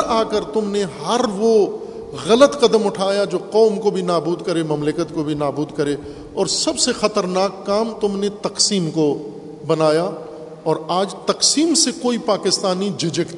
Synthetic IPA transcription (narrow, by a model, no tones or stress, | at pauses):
aːkəɾt̪ʊmnehɦɐɾʋo | ɣɐlət̪qɐd̪əmʊʈʰaːjad͡ʒoːqɔːmkobʱinaːbuːd̪kɐɾemɐmlɪkət̪kobʱinaːbuːd̪kɐɾeː | ɔːɾsɐbsexɐt̪əɾnaːkːaːmt̪ʊmnet̪ɐqsiːmko | bɐnaːja | ɔːɾaːd͡ʒt̪ɐqsiːmsekoːipaːkɪst̪aːnid͡ʒɪd͡ʒɪkt̪